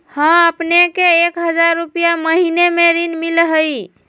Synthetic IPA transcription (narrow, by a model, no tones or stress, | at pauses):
hə̃əpnekeːkɦəd͡ʒaɾːupijaməɦinemeɾinmilɦəj